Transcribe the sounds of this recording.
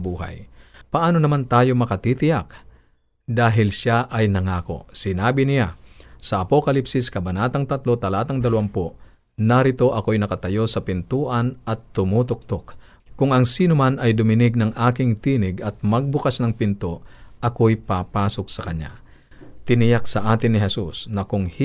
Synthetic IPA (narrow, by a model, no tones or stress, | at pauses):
buːɦa̰jpɐʔaːno̞nɐmant̪aːjo̞mɐkɐt̪it̪ɪjak̚ | d̪aːɦɪlʃaʔɐjnɐŋaːko̞̰sɪnaːbɪnɪjasɐʔɐpo̞kɐlipsɪskɐbɐnaːt̪ɐŋt̪at̪lo̞t̪ɐlaːt̪ɐŋd̪ɐlawampo | nɐɾɪt̪o̞ʔɐkojnɐkɐt̪ɐjo̞sɐpɪnt̪uːʔɐnɐt̪ːʊmuːt̪ʊk̚t̪ok | kːʊŋɐŋsiːnʊmanɐjd̪ʊmɪnɪɡ̚nɐŋʔaːkɪŋt̪iːnɪɡɐt̪̚mɐɡ̚bʊkasnɐŋpɪnt̪oʔɐkojpapaːsok̚sɐkɐɲːa̰ | t̪ɪnɪjaksɐʔaːt̪ɪnːɪɦɛsusnɐkʊŋh